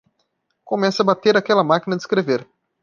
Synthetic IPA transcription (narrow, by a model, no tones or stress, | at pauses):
kõmɛsɐbat̪eɾakɛlɐmakinɐd̪ɪiskɾeveɾ